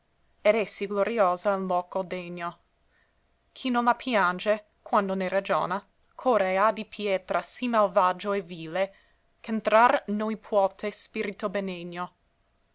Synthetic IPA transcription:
ed̪ɛsːiɡloɾioːzallɔːkod̪eɲːo | kʰinonlapʰjand͡ʒe | kwand̪oneɾad͡ʒo̰ːna | kʰoɾead̪ipʰjɛːt̪ɾasimalvad͡ʒoeviːle | kent̪ɾaɾnojpʰwɔt̪ʰespiɾit̪obeneɲːo

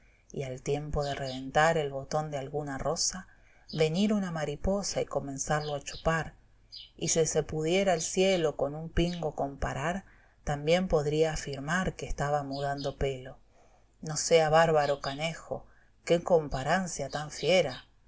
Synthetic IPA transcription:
ḭalt̪je̞mpo̞ð̞ereβe̞nt̪aɾe̞lβo̞t̪o̞nd̪ealɣunaro̞sa | βe̞niɾunamaɾipo̞saiko̞mẽ̞nsaɾloat͡ʃo̥paɾ | isisepuð̞jeɾaelsjelo̞ko̞numpiŋɡo̞ko̞mpaɾaɾ | t̪ambje̞mpo̞ðɾiaːfiɾmaɾkeːst̪aβamuðand̪o̞pe̞lo̞ | no̞seaβaɾβaɾo̞kanexo̞̰ | keko̞mpaɾansjat̪aɱfje̞ɾa

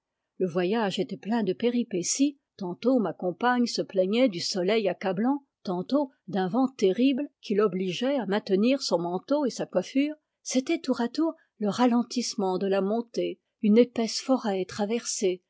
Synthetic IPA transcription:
ləvwajaʒet̪ɛplɛ̃d̪əpeʁipesi | t̪ɑ̃t̪omakɔ̃paɲsəplɛɲɛd̪ysɔlɛjakablɑ̃ | t̪ɑ̃t̪o | d̪ɛ̃vɑ̃t̪eʁiblkʲʰilɔbliʒɛamɛ̃t̪əniʁsɔ̃mɑ̃t̪oesakwafyːʁ | set̪ɛt̪uʁat̪uːʁ | ləʁalɑ̃t̪ismɑ̃d̪əlamɔ̃t̪e | ynepɛsfɔʁɛt̪χavɛʁse

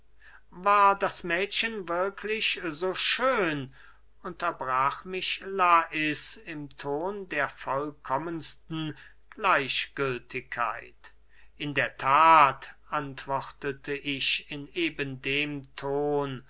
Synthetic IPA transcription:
vaːɐdasmɛːtɕənvɪɐkʰlɪçzoːʃøːn | ʊntɐbʁaːxmɪʃlaʔɪsɪmtʰoːndeːɐfɔlkʰɔmənstn̩ | ɡ̥laɪʃɡ̥ʏltʰɪkʰːa̰ɪt | ʔɪndeːɐtʰaːtʔantv̥ɔχtətʰəʔɪʃɪneːbəndeːmtʰoːn

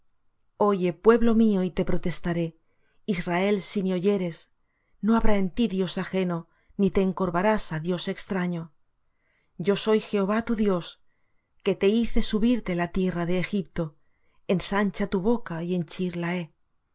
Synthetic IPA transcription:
o̞ʝe̞pwe̞βlo̞mio̞it̪e̞pɾo̞t̪e̞st̪aɾe̞ | israe̞lsimeo̞ʝe̞ɾe̞s | no̞aβɾae̞nt̪iðjo̞saxe̞no̞ | nit̪e̞ːŋko̞ɾβaɾasaðjo̞se̞kst̪ɾaɲo̞ | ɟ͡ʝo̞so̞jxe̞oβ̞at̪uðjo̞s | ke̞t̪e̞iθe̞suβiɾt̪e̞lat̪je̞raðe̞ːxip̚t̪o̞ | e̞nsant͡ʃat̪uβ̞o̞kaie̞nt͡ʃiɾlae̞

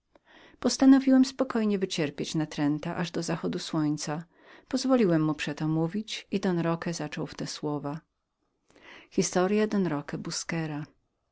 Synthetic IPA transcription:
pɔst̪anɔvʲiwɛmspɔkɔjɲɛvɘt͡ɕɛɾpʲjet͡ɕnat̪ɾɛnt̪aʔaʐd̪ɔzaxɔd̪uswɔɲt̪sa | pɔzvɔlʲiwɛmːupʂɛt̪ɔmuvʲit͡ɕid̪ɔnɾɔkɛzat͡ʂɔwft̪ɛswɔva | xʲist̪ɔɾjad̪ɔnɾɔkɛbuskɛɾa

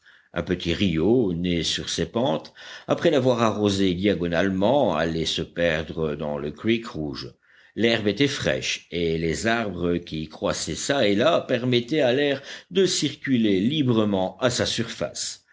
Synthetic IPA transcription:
ɛ̰̃pət̪ʰiʁijonesyʁsepɑ̃t̪apχɛlavwaʁaʁozed̪jaɡɔnalmɑ̃a̰lɛsəpɛʁd̪ʁəd̪ɑ̰̃ləkwikʁuːʒ | lɛʁbet̪ɛfχɛ̰ʃelezaʁbʁəkʲikχwasɛsaelapɛʁmɛt̪ɛalɛʁd̪əsiʁkʲylelibʁəmɑ̃asasyʁfa̰s

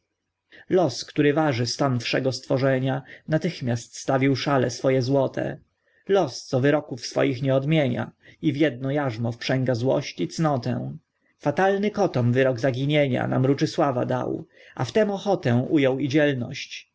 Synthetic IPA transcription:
lɔskt̪uɾɘvaʐɘst̪anfʂɛɡɔst̪fɔʐɛɲanat̪ɘxmʲjast̪st̪avʲiwʂalɛ̰sfɔjɛzwɔt̪ʰɛ̰ | lɔst̪sɔvɘɾɔkufsfɔ̰jixɲɛɔd̪mʲjeɲa̰ivʲjɛd̪̚nɔjaʐmɔfpʂɛŋɡazwɔ̰ɕt͡ɕit̪snɔt̪ɛ̰̃w̃ | fat̪alnɘkɔt̪ɔmvɘɾɔɡzaɡʲiɲeɲa̰na̰mɾut͡ʂɘswava̰d̪a̰w | aft̪ɛmɔxɔt̪ɛw̃ʔujɔwid͡ʑɛlnɔ̰ɕt͡ɕ

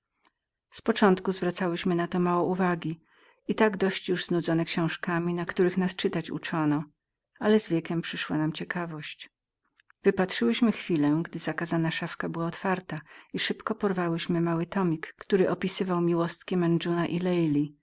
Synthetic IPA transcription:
spɔt͡ʂɔnt̪kuzvɾat̪sawɘɕmɘnat̪ɔmawɔʔuvaɡʲi | it̪aɡd̪ɔɕt͡ɕjuʐznud̪zɔnɛkɕɔ̃w̃ʂkamʲinakt̪uɾɘxnast͡ʂɘt̪at͡ɕṵt͡ʂɔnɔ | alɛzvʲjɛkʲɛmpʂɘʂwanamt͡ɕɛkʰavɔɕt͡ɕ | v̥ɘpatʂɘwɘɕmɘxfʲilɛɡd̪ɘzakazanaʂafkabɘwaɔt̪faɾt̪aiʂɘpkɔpɔɾvawɘɕmɘmawɘt̪ɔmʲikːt̪uɾɘʔɔpʲisɘvawmʲiwɔst̪kʲɛmɛnd͡ʐunaʔilɛjlʲi

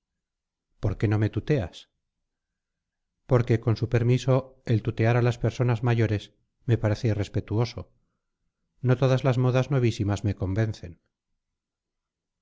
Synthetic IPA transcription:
po̞ɾke̞no̞me̞t̪ut̪e̞a̰s | po̞ɾke̞ko̞nsupe̞ɾmiso̞e̞lt̪ut̪e̞aɾalaspe̞ɾso̞nazmaʝo̞ɾe̞s | me̞paɾe̞θeire̞spe̞t̪uo̞so̞ | no̞t̪o̞ðazlazmo̞ðazno̞β̞isimazme̞ko̞mbẽ̞nθe̞n

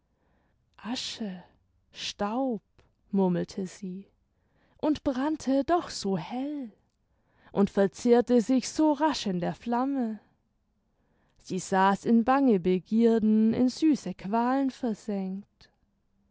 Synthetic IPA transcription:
ʔaʃə | ʃtaʊp̚ | mʊɐml̩tʰəz̥iː | ʔʊntb̥ʁantʰədɔχz̥oːhɛl | ʔʊntfɛɐt͡seːɐtəzɪçz̥oːʁaʃɪndeːɐflamə | z̥iːzaːsɪnbaŋəbəɡiːɐdn̩ɪ̰nzyːsəkʰv̥aːlənfɛɐzɛŋkt

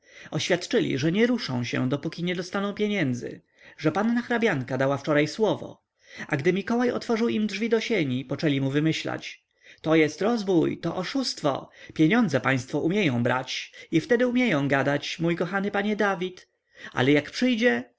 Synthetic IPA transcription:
ɔɕfʲjat̪t͡ʂɘlʲḭʐɛɲɛɾuʂɔ̰̃w̃ɕɛ̰d̪ɔpukʲiɲɛd̪ɔst̪anɔ̃w̃pʲjeɲɛnd̪zɘ̰ | ʐɛpanːaxɾabʲaŋkad̪awaft͡ʂɔɾajswɔvɔ̰ | aɡd̪ɘmʲikɔwajɔ̰t̪fɔʐɘwimdʐvʲid̪ɔɕeɲipɔt͡ʂɛlʲimuvɘmɘɕla̰t͡ɕ | t̪ɔjɛst̪ɾɔzvujt̪ɔʔɔʂust̪fɔ̰pʲjeɲɔnd̪zɛpaj̃st̪fɔʔumʲjejɔ̃w̃bɾa̰t͡ɕift̪ɛd̪ɘumʲjejɔ̃w̃ɡad̪at͡ɕmujkɔxanɘpaɲɛd̪avʲit̪ | a̰lɛjakpʂɘjd͡ʑɛ

